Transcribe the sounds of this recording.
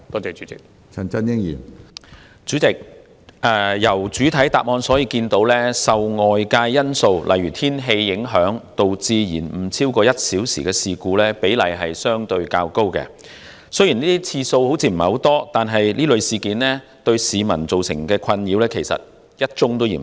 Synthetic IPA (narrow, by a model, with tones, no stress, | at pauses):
t̪ɔː˥t͡sɛː˨˧t͡ʃy˨˥t͡sɪ˨k̚ | t͡sʰɐ˨˩nt͡sɐ˥njɪ˥ŋjḭ˨˩n | t͡ʃyː˨˥t͡sɪ˨k̚ | ɛː˨jɐ˨˩wt͡ʃyː˨˥t̪ʰɐ˨˥jt̪aː˨p̚ŋɔː˧nsɔː˨˥jiː˧kiː˧nt̪o˨˥wlɛː˥sɐ˨wŋɔː˨jkaː˧jːɐ˥nso˧wlʔɐ̰˨jɥyː˨˩t̪ʰiː˥nɦe˧jːɪ˨˥ŋɦœː˨˥ŋt̪o˨˧wt͡siː˧jḭː˨˩nm̩˨˩t͡sʰiː˥wkɔː˧jɐ˥t̚siː˨˥wsḭː˨˩kɛː˧siː˨kuː˧lɛː˥pe˨˥jlɐ˨˩jɦɐ˨jsœː˥ŋt̪ɵ˧ɥkaː˧wko˥wkɛ̰ː˧ | sɵ˥jiː˨˩niː˥t̪iː˥t͡sʰiː˧so˧who˨˥wt͡sʰiː˧m̩˨˩˨ho˨˥wt̪ɔː˥t̪aː˨nɦɐ˨jliː˥lɵ˨˧ɥsiː˨kiː˨˥nlɛ˥ | t̪ɵ˧ɥsiː˨mɐ˨˩nt͡so˨wsɪ̰˨˩ŋkɛː˧kʰɐ˧njiː˨˧˥wlɛː˥kʰe˨˩jsɐ̰˨t̚ | jɐ˥t̚t͡ʃʊ˥ŋt̪o˥wjḭ˨˩